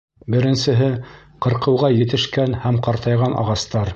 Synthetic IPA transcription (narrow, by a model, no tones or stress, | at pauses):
bɘ̆ɾɘ̆nsɘ̆ɦɘ | qɤ̆ɾqɤ̆wʁɑjɘ̆t̪ɘ̆ʃkænhæmqɑɾt̪ɑjʁɑnʔɑ̰ʁɑst̪ɑɾ